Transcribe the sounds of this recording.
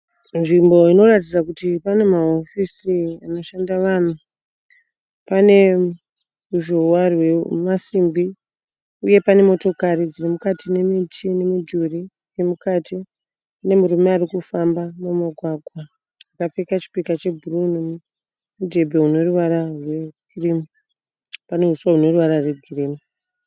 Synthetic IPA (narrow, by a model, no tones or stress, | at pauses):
nʐimbo̞ino̞ratid͡zakutipane̞mao̞fisiano̞ʃandaʋan̤u | pane̞ | uʒowarwemasimbi | uje̞pane̞mo̞to̞kaɾid͡zirimukatine̞mitʰine̞mid͡ʒuri | rimukati | ane̞muɾumearikufambamumaɡʱwaɡʱwaː | kap͡fekat͡ʃi̥pikat͡ʃe̞bʱuruni | mudʱe̞bʱe̞ɦuno̞ruʋaɾarwe̞ɡʱiriːmu | pane̞ɦuswauno̞ruʋaɾarweɡʱiriːmu